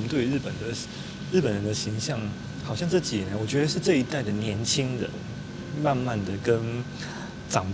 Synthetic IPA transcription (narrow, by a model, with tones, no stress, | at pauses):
mə˧nt̪we˥˩ɪ˧˥ɻ̩˥˩pə˨˩nd̪ə˦ | ɻɻ̩˥˩pə˨˩nɻə˧˦nd̪ə˧ɕi˧˥ŋɕjɑ˥˩ŋ | xɑ˨˩ʊɕjɑ˥˧ŋt͡s̩˥˩t͡ɕi˨˩˨ə˧˦wɔ˨˩t͡ɕɥɛ˧˥d̪ə˧ʂɻ̩˥˧ʈ͡ʂɤ˥˩i˧˥t̪a˥˩ɪd̪ə˩njɛ˧˥nt͡ɕʰi˥ŋɻə̰˧˦n | ma˥˧nma˥˩nd̪ə˩kə˦˥n | ʈ͡ʂɑ˨˩ŋ